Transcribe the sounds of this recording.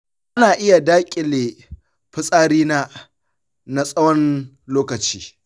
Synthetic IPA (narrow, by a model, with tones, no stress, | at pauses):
ʔa˦naː˨ʔɪ˦ja˨daː˦kʲʼɪ˨leː˨ | ɸɪ˦sʼaː˦ɾiː˦naː˦ | na˦sʼɐ˦wɔ˦n | loː˦kɐ˨t͡ʃiː˦